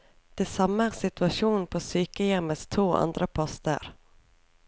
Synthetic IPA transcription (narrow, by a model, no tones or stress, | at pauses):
d̪̥eːsɑmːəæːʁsɪt̪ʉɑʃuːn̩pʰoːsyːkəjɛmət̪st̪ʰuːʔɑ̰nd̪ɾəpʰɔst̪ə̰ɾ